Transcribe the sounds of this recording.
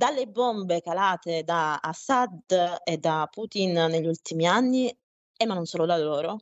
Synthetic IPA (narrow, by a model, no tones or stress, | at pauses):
d̪alːebombekalaːt̪ed̪aːsad̪ed̪ːapːut̪inneʎːult̪imianːi | ɛmːanonsoːlod̪alːoːɾo